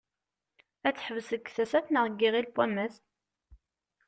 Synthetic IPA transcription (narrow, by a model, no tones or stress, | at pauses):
æt͡sːħəvsəɡθæsæθnəʁəɡːiʁilpːæməs